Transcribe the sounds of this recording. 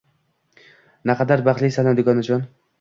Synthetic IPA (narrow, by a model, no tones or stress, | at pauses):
naqʰɑd̪aɾbaʁlisanad̪ɪɡɒnad͡ʒɒn